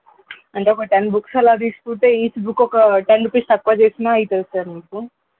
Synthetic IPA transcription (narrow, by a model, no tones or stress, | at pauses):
ɐɳʈeɔkɐʈeɳɖbuksɐlad̪iːst̪uɳʈ̪eːiːsbukːɔkɐʈeɳɖupist̪ɐkːʋɐt͡ʃeːsinaːɐjit̪ɐlsaɾniːpu